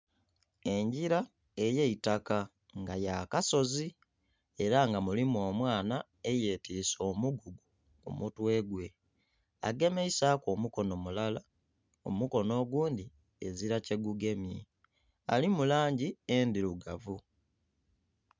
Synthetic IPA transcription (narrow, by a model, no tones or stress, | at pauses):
e̞ɲɟiɾa | e̞jeitaka | ŋɡajakaso̞zi | e̞ɾaŋɡamulimo̞ːmwaːna | e̞jeːtiso̞ːmuɡuɡu | kṵmutwe̞ːɡwe̞ | a̰ɡe̞me̞isakomuko̞no̞mulala | o̞̰muko̞no̞ːɡuːndi | eziɾace̞ɡuɡe̞mji | a̰limulaːɲɟiendiluɡavu